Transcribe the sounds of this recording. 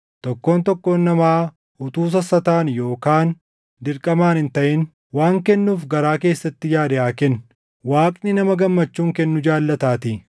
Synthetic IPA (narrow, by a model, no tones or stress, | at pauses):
t̪ɔkːo̞ːnt̪ɔkːoːnːɐmaː | ʊt̪uːs̬ɐsɐt̪aːnjo̞ːkaːn | d̪ɪɾkʼɐmaːnɪnt̪ɐʔɪn | waːŋkɛnːuːfɡɐɾaːke̞ːsːɐt̪ːɪjaːd̪ɪʔaːkɛn | waːkʼnɪnɐmɐɡɐmːɐt͡ʃːuːŋkɛnːʊd͡ʒaːlːɐt̪aːt̪i